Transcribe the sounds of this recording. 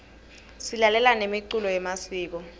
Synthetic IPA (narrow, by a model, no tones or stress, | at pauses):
silalɛlanemiǀulɔjɛmasiːk̬ɔ